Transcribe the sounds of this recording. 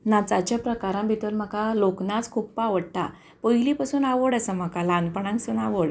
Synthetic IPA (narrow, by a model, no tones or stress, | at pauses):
nat͡sat͡ɕjapɾəkaɾãmbʱit̪əɾm̤akaloknat͡skʰuppaʋəɽt̪a | pəjlipasuːnaʋəɽasəm̤akalãnpəɳãŋksənaʋəɽ